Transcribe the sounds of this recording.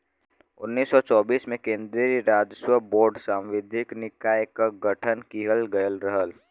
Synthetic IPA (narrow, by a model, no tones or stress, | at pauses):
ʊnːiːsːɔt͡ʃɔːbiːsmẽkẽːnd̪ɾiɾiɾaːd͡ʒswəboːɾɖsãːmʋɪd̪ʱɪknɪkaːjkaɡəʈʰənkiɦəlɡəjəlɾəɦəl